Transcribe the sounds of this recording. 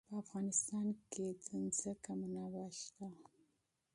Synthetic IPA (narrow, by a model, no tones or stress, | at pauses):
pəafɣɑnɪst̪ɑnked͡zənzəkamunawaʃt̪a